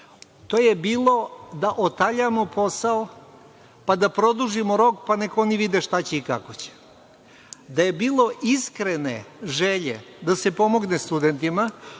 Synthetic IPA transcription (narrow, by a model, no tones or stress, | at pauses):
t̪oːjebiːlˠo̞d̪aʔot̪aʎamopʰo̞sao | pad̪apɾo̞d̪uʒimoɾo̞kpanekooniʋid̪eʃt̪at͡ɕeika̰ko̞t͡ɕe̥ | d̪aje̞biːlˠo̞ʔiskɾeneʒeʎḛd̪ase̞po̞moɡnest̪ud̪ent̪ima